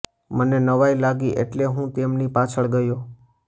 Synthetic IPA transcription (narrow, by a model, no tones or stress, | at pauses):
mənenəʋajlaɡiʔḛʈleɦũt̪emnipat͡ʃʰəɭɡəjo